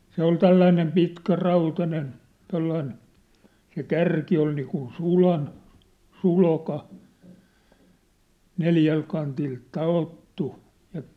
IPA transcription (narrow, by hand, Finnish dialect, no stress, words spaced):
se ol tælːæinem pitkæ rɑutɑnen tolːɑin se kærki oi niːkun sulɑn sulkɑ neljæl kɑntil tɑotːu jɑ